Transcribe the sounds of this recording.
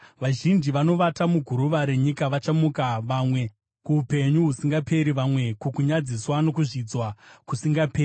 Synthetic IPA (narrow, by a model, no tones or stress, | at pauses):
ʋaʒind͡ʒiʋano̞ʋatamuɡʱuɾuʋaɾe̞ɲikaʋat͡ʃamukaʋamwe̞ | kuupe̞ɲuɦusiŋɡapʰe̞ɾiʋamwe̞kokuɲad͡ziswano̞kuʐid͡zwakusiŋɡapeːri